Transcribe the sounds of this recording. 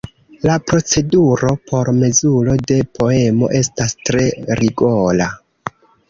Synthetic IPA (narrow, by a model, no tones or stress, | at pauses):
lapɾo̞t͡se̞duɾo̞pʰo̞ɾme̞zulo̞de̞pʰo̞e̞mo̰ʔe̞stastɾe̞ɾiɡola